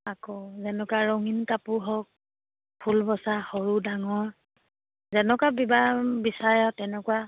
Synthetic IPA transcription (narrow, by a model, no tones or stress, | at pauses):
akɔzɛnɔkaɹɔŋinkapuɦɔk̚ | pʰulbɔsaxɔɹudaŋɔɹ | zɛnɔkabibabisajɔtːɛnɛkuwa